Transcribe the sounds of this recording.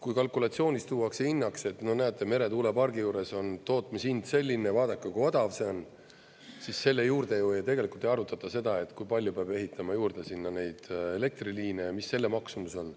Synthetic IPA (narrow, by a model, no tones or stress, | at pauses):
kujkɑlkulɑt̪sio̞ːnist̪uːɑkseinːɑkse̞t̪ːnonæet̪ːˑeme̞ɾe̞t̪uːle̞pɑrɡijuːɾe̞so̞nt̪o̞ːt̪ˑmisind̪se̞lʲːine̞vɑːd̪̥ɑkːˑɑkuod̪̥ɑvse̞on | sisːe̞lːe̞juːrd̪e̞joojɑt̪e̞ɡe̞likult̪ːˑejɑɾut̪ːˑɑt̪ːˑɑse̞d̪̥ɑe̞t̪ːˑkujpɑlʲjupeɑb̥e̞ɦit̪ʰːˑɑmɑjuːrd̪̥e̞sinːɑne̞jd̪̥e̞le̞k̚t̪riliːnemisːe̞lːemɑksumuso̞n